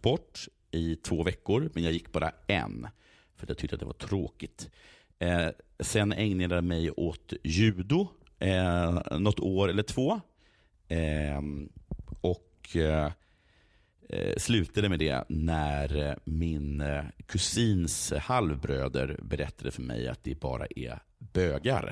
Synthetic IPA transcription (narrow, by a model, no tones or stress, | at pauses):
bɔʈː | ɪt̪ʰvoːvɛkːʊɾmɛnjɑɡjɪkːbɑːɾa̰ɛ̰n | fœɾat̪jat̪ʰʏkt̪ːat̪ːɛva̰ʈʰɾoːkɪt̪ | sɛnɛŋnad̪amɛjot̪jʉ̟ːd̪ʊ | nɔt̪ːoːɾɛlːəʈʰv̥oː | ɔk | slʉ̟ːt̪ad̪əmɛd̪ɛ̰næɾmɪnkʰɵsiːnshalvbɾøːd̪ə̰ɾbɛɾɛt̪ʰːad̪əfœɾmɛ̰ja̰t̪̚d̪ɛbɑ̰ːɾa̰ʔɛ̰ | b̥øːɡa̰ɾ